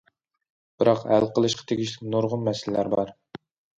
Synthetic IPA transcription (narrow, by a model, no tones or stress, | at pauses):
b̥ɪɾɑqhæ̰lqʰəlˠɨʃqʰɑ̥t̪ʰeɡʲiʃlʲɪk̚ʲnoɾʁʊnmɛsɪllæɾbɑɾ